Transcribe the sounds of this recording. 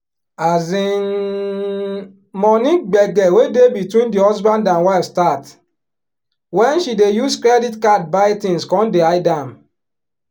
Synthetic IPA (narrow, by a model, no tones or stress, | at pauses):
azĩn | mɔnĩɡ͡bɛɡɛwedebitwĩndihɔzbãndãnwafstat | wɛ̃nʃidejuskɾɛditkat̚baɪtĩnskɔ̃ndeaɪdãm